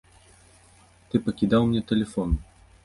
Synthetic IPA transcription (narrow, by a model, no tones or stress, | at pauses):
t̪ɨpɐkʲid̪awmnʲɛt̪ɛlʲɛfɔn